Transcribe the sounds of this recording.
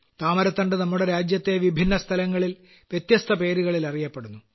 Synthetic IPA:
t̪aːmɐɾɐt̪ːɐɳɖɨnɐmːuɽeɾaːd͡ʑjɐt̪ːe̞ʋibʱinːɐst̪ʰɐlɐŋːɐɭil | ʋjet̪jɐst̪ʰɐpe̞ːɾuɣɐɭilɐrijɐpːeɽunːu

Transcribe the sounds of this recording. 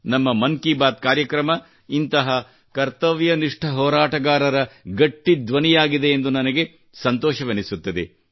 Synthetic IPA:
nɐmːɐmɐŋkibaːt̪̚kaːɾjɐkɾɐmɐ | int̪ɐɦɐ | kɐɾt̪ɐʋjɐniʂʈʰɐɦɔːɾaːʈɐɡaːɾɐɾɐɡɐʈːid̪ʋɐnijaːɡid̪eːnd̪unɐnɐɡe̞ | sɐnt̪ɔːʃɐʋɐnisut̪ːɐd̪e

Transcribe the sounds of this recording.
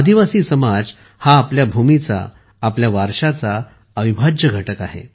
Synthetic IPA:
əd̪iʋasiːsəmad͡z | haːpljabʱumit͡sa̰ː | pljaʋaɾʂat͡sa | əʋibʱad͡ʑəɡʱəʈəkaɦḛ

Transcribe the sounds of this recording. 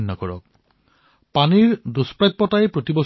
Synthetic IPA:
nːɔkɔɹɔk̚ | paniɹduspɹajt̪̚pɔtajpɹotibɔs

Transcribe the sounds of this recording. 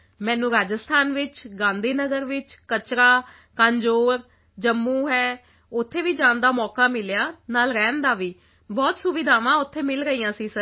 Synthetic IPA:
mɛ̃ːnũːɾaːd͡ʒəst̪ʰaːnʋɪt͡ʃɡãːnd̪iːnəɡəɾʋɪt͡ʃkət͡ʃɾaː | kãːnd͡ʒoːɾ | d͡ʒəmːũːɦɛː | ʊt̪ʰːeːʋiːd͡ʒãːnd̪aːmɔːkaːmɪljaːnaːlɾɛːnd̪aːʋiː | bɔːt̪sʊʋɪd̪ʱaːʋãːʊt̪ʰːeːmɪlɾəiːãːsiːsəɾ

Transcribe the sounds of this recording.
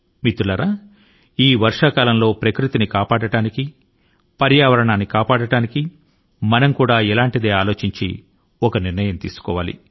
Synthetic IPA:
mit̪ːulɐɾa | iːʋɐɾʂaːkaːlɐmlo̞ːpɾɐkɾut̪inikaːpaːɽɐɽaːniki | pɐɾjaːʋɐɾɐɳaːnːikaːpaːɽɐɽaːniki | mɐnɐmkuːɽaːɛlaːɳʈid̪e̞ːaːlo̞ːt͡ʃiɲt͡ʃḭ | ɔkɐniɾnɐjɐmt̪ḭːsu̥kɔːʋa̰ːlḭ

